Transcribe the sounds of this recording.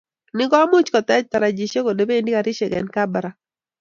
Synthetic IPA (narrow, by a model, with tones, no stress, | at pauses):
nɪ˦ɡɔ˦mʊ˦t͡ʃkɔ˨t̪ɛ˦d͡ʒt̪a˨ɾa˨d͡ʒi˨ʃe˦ko˨de˨be˦˨ndi˦ka˨ɾɪ˦ʃe˨ɡɛ̰˨nka˦bɾa˨